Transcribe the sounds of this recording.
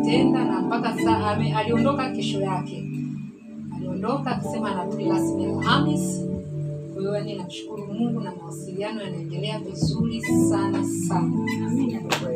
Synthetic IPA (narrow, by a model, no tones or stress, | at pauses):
tɛndanampakasaʔamɛaliɔndɔkakɛʃɔjakɛ | aliɔndɔkaːkḁsɛmaːnatuliɾasmialhamis | hujɔjaninamuʃu̥kuɾumuŋɡunamawasilianɔjanaɛndɛlɛavizuɾisanasana